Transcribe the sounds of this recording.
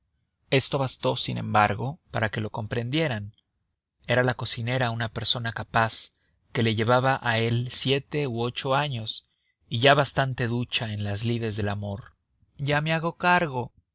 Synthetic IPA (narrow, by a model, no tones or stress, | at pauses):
e̞st̪o̞βast̪o̞sinẽ̞̰mbaɾɣo̞paɾake̞lo̞ko̞mpɾe̞nd̪je̞ɾan | e̞ɾalako̞sine̞ɾaunape̞ɾso̞nakapas | ke̞le̞ʝe̞βaβaʔae̞lsje̞t̪e̞uo̞t͡ʃo̞aɲo̞s | iʝaβast̪ant̪e̞ðut͡ʃae̞nlazlið̞e̞zðe̞lamo̞ɾ | ʝame̞aɣo̞kaɾɣo̞